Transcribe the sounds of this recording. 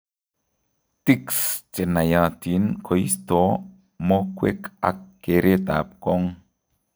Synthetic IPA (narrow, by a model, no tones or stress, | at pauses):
t̪ikst͡ʃenajãt̪inkʰoist̪o | mokʷwḛka̰kːeɾʔet̪a̰p̚kɔŋ